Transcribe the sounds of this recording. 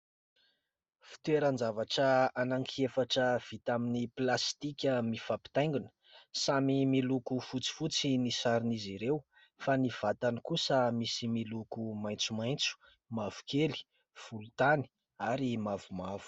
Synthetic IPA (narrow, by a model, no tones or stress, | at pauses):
fi̥t̪weɾand͡zavaʈ͡ʂəanaŋkʰiefaʈ͡ʂəv̥it̪aminiplast̪ikʲəmifapi̥t̪ajŋɡunə̥ | samimilukufut͡si̥fut͡sinisaɾiniziɾew | faniv̥at̪anikusəmisimilukumajnt͡sumajnt͡su̥ | mavu̥keli̥ | v̥ulut̪ani̥ | aɾimavumavu̥